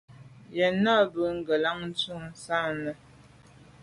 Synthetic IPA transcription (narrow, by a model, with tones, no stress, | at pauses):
jɛ˨nɔ˦bə˨˦ŋ̩˦ɡə˨la˦ŋn̩˦t͡su˦˨n̩˨sa˦˨nə˨